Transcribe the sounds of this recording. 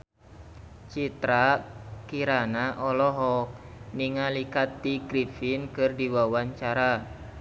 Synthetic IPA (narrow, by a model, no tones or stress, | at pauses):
t͡ʃit̪ɾakiɾanaʔɔlɔɦɔk̚ | niŋalikat̪̚ːiɡɾifinkɨrdiwawaɲt͡ʃaɾa